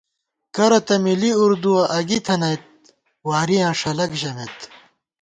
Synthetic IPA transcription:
kɐɾɐt̪ɐmiliuɾd̪uɐʔɐɡit̪ʰɐnɐjt̪̚ | waːɾijãːʂɐlɐkʑɐmet̪

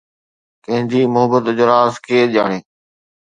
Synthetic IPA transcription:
kɐ̃ɦɪ̃nd͡ʑiːmʊɦəbət̪ɪd͡ʑəɾaːzkʰeːʄaːɽ̃eː

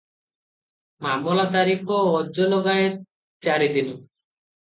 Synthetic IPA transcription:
mamɔlat̪̬aɾikʰɔːd͡ʒɔlɔɡaet̚ | t͡ʃaɾid̪in

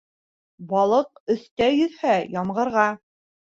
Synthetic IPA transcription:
bɑlˠɤqɵ̆θt̪æjɵ̆ðhæjɑmʁɤ̆ɾʁɑ

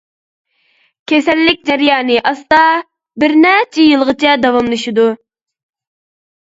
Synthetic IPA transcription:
kʲʰesɛlːɪkʲd͡ʒɛɾjɑːnɨʔɑst̪ɑ | bɪɾnɛt͡ʃʰijɨlˠʁət͡ʃʰɛd̪ɑwɑmlˠɨʃid̪u

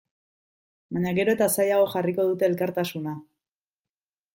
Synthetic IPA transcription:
baɲaɣe̞ɾo̞e̞t̪asajaɣo̞xariko̞ð̞ut̪e̞ːlkaɾt̪asuna

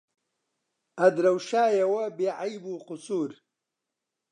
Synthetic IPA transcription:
ɐd̪ɾɐwʃaːjɐwɐbeːʕajbuːqʊsuːɾ

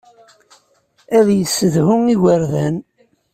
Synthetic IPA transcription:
æðjəsːəðhʊŋiwəɾðæn

